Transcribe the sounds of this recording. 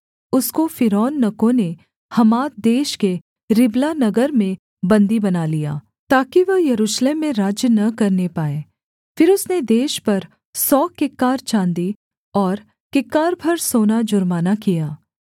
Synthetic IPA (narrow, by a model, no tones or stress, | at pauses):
ʊskofɪɾɔːnːɐkõne | hɐmaːt̪̚d̪eːʃke | ɾɪblanɐɡəɾmẽ | bɐ̃nd̪ibɐnaːlija̰ː | t̪aːkiʋɐɦjɐɾuːʃleːmːẽɾaːd͡ʒjənɐkɐɾnepaːeː | fɪɾʊsned̪eːʃpɐɾ | sɔːkɪkːaːɾt͡ʃãːnd̪i | ɔːɾ | kɪkːaːɾbʱɐɾsoːnad͡ʒʊɾmaːnakijaː